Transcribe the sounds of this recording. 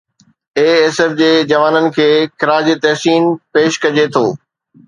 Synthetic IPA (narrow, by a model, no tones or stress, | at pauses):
eːɛːsɛfd͡ʑeːd͡ʑɐʋaːnənɪ̆kʰeːxɪɾaːd͡ʑit̪ɛːɦsiːnpeːʃkɐd͡ʑet̪ʰoː